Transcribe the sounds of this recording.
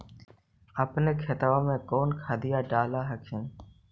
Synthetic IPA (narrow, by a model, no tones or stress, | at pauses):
əpneːkʰeːt̪əʋãːmẽːkoːnkʰaːd̪ɪjaːɖaːlaːɦəkʰɪn